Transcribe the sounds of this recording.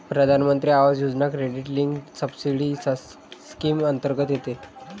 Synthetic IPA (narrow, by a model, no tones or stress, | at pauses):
pɾəd̪ʱanmənt̪ɾiːaʋad͡zjod͡znakɾeɖiʈliŋɡsəbsiɽis | skimənt̪əɾɡət̪jet̪e